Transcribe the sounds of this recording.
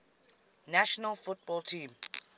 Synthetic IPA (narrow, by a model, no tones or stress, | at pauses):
naʃɔnalfut̚bɔltʰĩːm